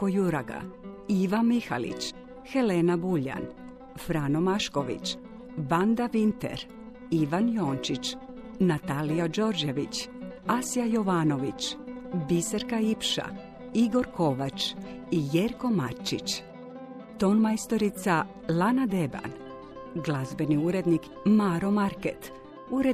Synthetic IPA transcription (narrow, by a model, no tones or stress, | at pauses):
ojuɾaɡa̰iʋanmixa̰lḭt͡ɕ | xe̞lenabuʎa̰n | fɾano̞maʃko̞ʋḭt͡ɕ | band̪aʋint̪ḛɾ | iʋanjo̞ːnt͡ʃit͡ɕ | nat̪aliad͡ʒo̞ɾd͡ʒeʋit͡ɕasijajoʋano̞ʋit͡ɕbiseɾkaipʃa̰ | iɡo̞ɾko̞ʋat͡ʃijeɾko̞maɾt͡ʃḭt͡ʃ | t̪o̞nmajst̪o̞ɾit̪sa | lˠanad̪e̞ba̰n | ɡlˠazbe̞niuɾe̞d̪nik | maɾo̞maɾket̪ | uɾe